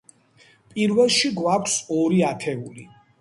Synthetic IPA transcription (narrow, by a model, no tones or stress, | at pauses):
pʼiɾvɛlˠʃiɡwakʷʰsɔɾiat̪ʰɛuli